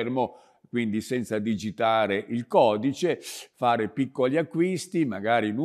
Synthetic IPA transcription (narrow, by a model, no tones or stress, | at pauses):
rmo | kwind̪isɛnt̪sad̪id͡ʒit̪aːɾeʔilkɔːd̪it͡ʃefaːɾepikːoliakːwist̪imaɡaːɾinu